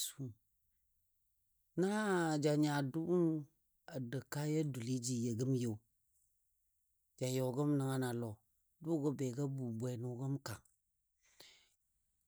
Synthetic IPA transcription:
su˦ | na˦˨d͡ʒa˨ɲa˨du˦u˦ | a˨də˨ka˦ja˦du˨li˦d͡ʒi˨je˨ɡə˦m˦je˨ | d͡ʒa˨jo˨wɡə˦m˦nə˨˦ŋa˦na˨lɔ˨ | du˦ɡə˦bɛ˨ɡə˦bu˨bʷɛ˨nu˨ɡə˦mka˨ŋ

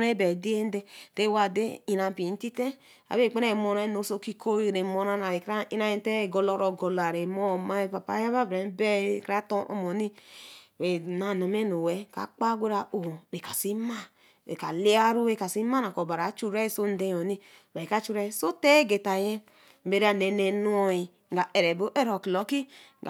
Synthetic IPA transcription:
ɾe˦bɛ˨di˦e˦n˦de˦te˦wa˦˨de˦i˨na˨m˨pi˨˦ti˦te˦ | a̰˨be˦˨k͡pe˦ɾe˦˨mo˧ɾe˦no˨˦so˦ki˦kʰo˦˨ɾe˨mo˧˨˦na˧na˨ɾe˨kɾa˦i˦na˦je˦te˦e˨ɡo˧lɔ˦ɾo˧ɡo˨la˨ɾe˨mɔ˦˨ma˦e˦pa˨pa̰˨˦ja˦ba˦bɾe˨˦bɛ˦˨kɾa˦to˦ʔɔ̰˨˦mɔ˨ni˦ɾe˨na˨na˨me˦no˨wɛ˦ka̰˨k͡pa˦ɡʷe˦ɾa˨o˨o˨ɾe˨ka˨si˦ma˦ | ḛ˨ka˨li˦a˦ɾu˦we˦˨ka˨si˦ma˦na˨ko˨ba˨ɾa˨˦t͡ʃu˦ɾɛ˦so˦n̩˦de˦jo˨ni˦˨ | ba˨i˨ka˨˦t͡ʃu˦ɾɛ˦so˦tɛ˦ɡe˨ta˨je˦ | m˨be˨ɾa˦nɛ˨ne˨nu˦o˧i˨ | ɡa˨e˨ɾɛ˨bo˦ʔe˦ɾo˨ki˨lo˨˦ki˦ | ɡ

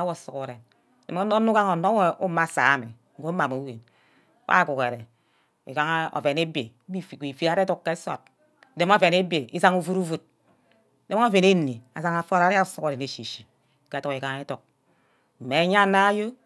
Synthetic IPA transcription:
a˦wo˨su˨ko˨ɾe˨n | de˨mo˦o˦nu˦ka˦ŋo˨no˦e˦˨u˦ma˦˨sa̰ː˨˦mḛ˨ | ŋ̩˦ɡo˦ma˨mo˨˦we˨n˦ | wa̰˦˨ku˨ke˨ɾe˨ | ḭ˨ka˦ŋ˦o̰˨ve˨ne˦be˨˦˨i˨fi˦ɾa˨˦ɾe˦tu˦kkːe˦so̰˨t̚ | de˦mo˦ve˨ne˦be˨i˦sa˦ŋu˦vu˦ɾu˦vu˦t̚ | de˦o˦ve˨ne˦nːe˨a̰˨sa˦ŋa˨fo˦ɾa˦ɾa˦˨˦su˦ko˨ɾe˨ne˨ʃi˨ʃi˨˦ | ke˨˦tu˨ki˨ka˨ŋe˦tu˨k̚ | m̩˨me˨˦ɲa˦na˦jo˦

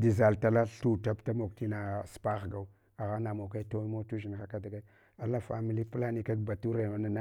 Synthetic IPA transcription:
di˨za˨lta˨la˦ɬu˦˨ta˦bta˦mo˨k̚ti˦na˨spa˦xɡa˨u | a˨ɣa˦na˨mo˨ka˦to˦mo˦tu˦ʒi˨nxa˨ka˦da˨ɡa˦ | a˨la˦fa̰˨mi˨li˦pla˦ni˨ka˦kba˨tu˦ɾa˨a˦na˦na˦

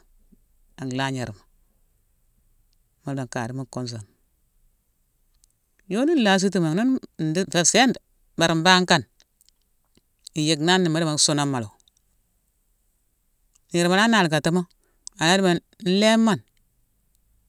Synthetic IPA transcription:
a˨ŋ˨la˦ɲe˨ɾma˨ | ma˨ɾba˨ŋka̰˨di˦ma˦ko˦ns̬a˨n | jo˦ni˦n˦la˦s̬i˦t̬i˦ma˨no˦nn̩˨di˦˨fe˨se˦n˨ | ba˨ɾi˨mba˦ŋka˦n | i˨je˨ɡna˦nːi˨ma˦dma˨˦su˦na˦ma˨lo˨ | ɲe˨ɾma˨la˦na˨lɡa˨ta˦ma˦ | a˨na˦di˦ma˨ | n̩˦le˦mːa˦˨n

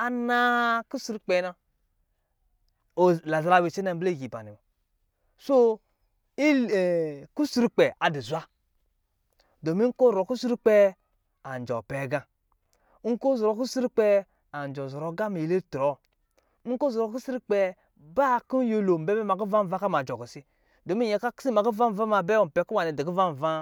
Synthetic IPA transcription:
a˨na˦ku˦su˦ɾu˦k͡pɛ˨˦na˦˨ | la˨za˨ɾa˨wi˨t͡ʃe˦na˨m˦ble˦˨ɡi˨ba̰˨ni˨ | so˦ | i˦˨ | ku˦su˦ɾu˦k͡pɛ˨a˨di˨zʷa˦ | do˨mi˦ko˦˨ɾo˨ku˦su˦ɾu˦k͡pɛ˦ | a˨n˨d͡ʒɔ̰˨pɛ˨˦ɡã˦ | ŋ̩˦ko˦zɔ˨ɾo˨k̬u˦su˦ɾu˦k͡pɛ˦ | a˨n˨d͡ʒɔ˨zo˨ɾo˨˦ɡa˦mi˨le˦tɾɔ˨˦ | ko˦zɔ˨ɾo˨ku˦si˦ɾi˦k͡pɛ˨ | ba˦˨ku˦n˦jo˦lo˨m̩˨bɛ˦bɛ˦ma˨k̬u˦va˦m˨va˦ka˦ma˨d͡ʒɔ˨ɡi˨si˦ | do˨mi˦je˨ka˦ksi˦ma˨ku˦va˦m˨va˦ma˨bɛ˦o˨m̩˨pɛ˨˦ku˦wa˨ni˨di˨ki˦va˦m̩˨va˦

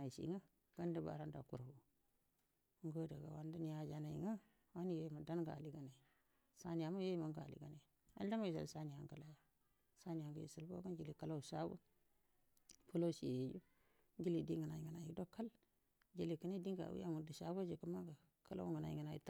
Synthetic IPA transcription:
a˨i˨sḭ˨˦ŋa˦ | ɡ̥a˦nda˦ba̰˨ɾa˦nda̰˨ku˨ɾwu˨˦ | ŋɡo˦da˨ɡa̰˨wa̰˦nda˦ni˨ja˨d͡ʒa˨na˨ḭ˨ŋa˦ | wa˦ni˦je˦jma˨da˦nɡa̰˨li˦ɡa˨na˨i˨ | sa˦ni˨ja˨ma˦je˦jma˨ŋɡa̰˨lḭ˨ɡa˨na˨ | a̰˦n˦da˦ma˦ji˨sa̰˨lsa˦ni˨ja˨ŋɡa˨la˨˦ja˨ | sa˦ni˨a˨ŋɡa̰˨jḭ˨su˨lbo̰˦ɡa˦nd͡ʒi˨li˨ka˦la˦u˨ʃa˦wṵ˦ | po˦lo˦si˨e˨je˨ju˦ | ɡi˦li˨di˦ŋɡa˨na˨ji˨ŋɡa˨na˨jḭ˨do˦kːa˦l | d͡ʒi˨li˨kə˦ni˦di˦ŋɡa̰˨wṵ˦ja˦ŋu˨di˨ʃa˦wa˦d͡ʒi˨kə˦ma˦ɡa˨ | ka˦la̰˦wu˦ŋɡə˨na˨jḭ˨ŋɡa˨na˨jḭ˨t

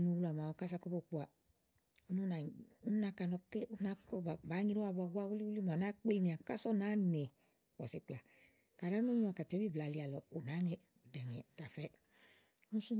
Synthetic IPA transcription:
nu˨˧wu˦la˨m˨a˨wo˨ka˦s̬a˧ko˦bo˧˨k͡pu˨a˨ | u˦nu˦na˨u˦na˧˦ka˧˨nɔ˧ke˦u˦na˦kɔ˦ba˨ba˨˦ɲi˧ɾu˦a˧ba˧ɡu˦a˦wu˦i˦u˦li˦ma˨na˦k͡pe˦˧ni˨a˨ka˦sɔ˦na˨˦ne˨ | wɔ̰˨si˨˦k͡pla˨ | ka˨ɾa˦nu˦ɲ˦a˨ka˨te˨˦bi˦˨bla˨li˨˧a˨lɔ˨u˨na˨˦ŋe˦˨dɛ˨ɲɛ˨ta˨fɛ˦ | u˦nu˦su˦

